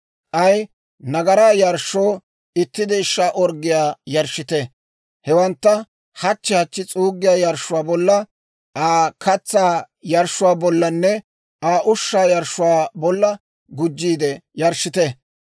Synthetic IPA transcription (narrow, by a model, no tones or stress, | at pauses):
ʔɐj | nɐɡɐɾaːjɐɾʃːoː | ɪt̪ːɪd̪ɛɪʃːaːʔɔɾɡːɪjaːjɐɾʃːɪt̪ɛ | hɛwɐnt̪ːɐ | hɐt͡ʃːɪhɐt͡ʃːɪt͡sʼuːɡːɪjaːjɐɾʃʊwaːbɔlːɐ | ʔaːkʰɐt͡sːaː | jɐɾʃʊwaːbɔlːɐnːɛ | aːʔʊʃːaːjɐɾʃːʊwaːbɔlːɐ | ɡʊd͡ʒːiːd̪ɛjɐɾʃɪt̪ɛ